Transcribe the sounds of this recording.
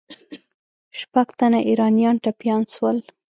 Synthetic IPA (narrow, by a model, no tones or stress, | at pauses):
ʃpaɡt̪anaʔiɾɑnijɑnʈapjɑnʃwəl